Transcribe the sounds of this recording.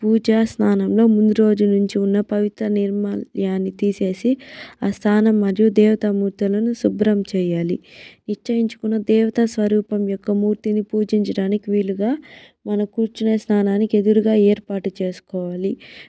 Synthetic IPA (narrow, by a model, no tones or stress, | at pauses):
puːd͡ʒaːsnaːnɐmlo̞ːmunuɾo̞ːd͡ʒunuɲt͡ʃiunːɐpɐʋit̪ɾɐniɾmajaːnːit̪iːse̞ːsiaːst̪ʰaːnɐmːɐɾjud̪ɛːʋɐt̪ɐmuːɾt̪ilɐnusubɾɐmt͡ʃɛːjaːlḭniʂt͡ʃɐjiɲt͡ʃu̥kunːɐd̪ɛːʋɐt̪ɐsʋɐɾuːpɐmjɔkːɐmuːɾt̪inipuːd͡ʒiɲt͡ʃɐɽaːnikiʋiːɭːuɡaː | mɐnɐkuːɾt͡ʃinɐsnaːnaːnikie̞d̪uɾuɡaːɛːɾpaːʈut͡ʃe̞ːsu̥kɔːʋaːli